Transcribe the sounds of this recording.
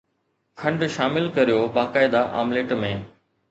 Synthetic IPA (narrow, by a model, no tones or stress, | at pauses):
kʰɐ̃ɳɖʃaːmɪlkɐɾijobaːkaːɪd̪aʔa̰ːmleːʈmẽː